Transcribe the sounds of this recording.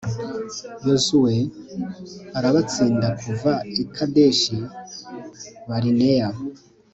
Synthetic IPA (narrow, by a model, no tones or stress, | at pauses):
jozuwe | aɾaβat͡siːndakuvaikʰade̞ʃi | βaɾineja